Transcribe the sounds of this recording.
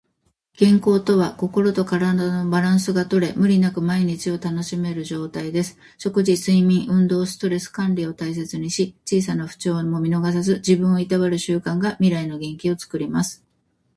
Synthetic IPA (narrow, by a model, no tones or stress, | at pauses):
ɡ̥ẽ̞ŋko̞ːt̪oβako̞ko̞ɾo̞t̪o̞kaɾad̪ano̞baɾãɰ̃sɨɡat̪o̞ɾe̞mɯ̟ɾʲinakɯ̟maiɲ̟it͡ɕio̞t̪ano̞ɕime̞ɾɯ̟ʑo̞ːt̪aid̪e̞sɨ̥ | ɕo̞kɯ̟ʑisɨimʲĩɰ̃ʔɯ̟̃nd̪o̞ːsɨ̥t̪o̞ɾe̞sɨ̥kãnɾʲio̞t̪ais̬e̞t͡sɨɲ̟iɕit͡ɕiːsanaɸɯ̟̥t͡ɕo̞ːmo̞mʲino̞ɡas̬azɨd͡ʑibɯ̟̃ɰ̃o̞it̪aβaɾɯ̟ɕɨːkãŋɡamʲiɾaino̞ɡẽ̞ŋkʲio̞t͡sɨ̥kɯ̟ɾʲimasɨ̥